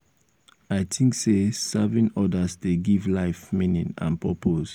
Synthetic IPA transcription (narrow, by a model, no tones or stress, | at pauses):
aɪtʰĩŋksesɛvĩnɔdəzdeɡivlaɪfmĩnĩnã̰npɔpʰos